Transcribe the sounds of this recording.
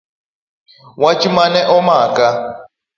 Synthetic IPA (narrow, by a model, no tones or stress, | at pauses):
wat͡ʃʼimanɛʔɔmaːkʼa